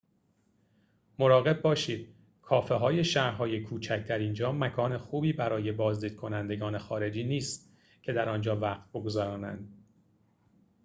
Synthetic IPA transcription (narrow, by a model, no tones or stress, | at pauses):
moɾɒːɣe̞b̚ːɒːʃiːd̪̥̚ | kʰɒːfeɦɒːje̞ʃæɾɦɒːje̞kʰuːt͡ʃʰæc̚d̪æɾind͡ʒɒːmækʰɒːne̞xuːbiːbæɾɒːje̞bɒːzd̪iːd̪̥̚kʰo̞nænd̪e̞ɡɒːne̞xɒːɾe̞d͡ʒiːniːst̪̚ | cʰe̞d̪æɾɒːnd͡ʒɒːvæːqt̪̚bo̞ɡozɒɾɒːnæ̰nd̪̥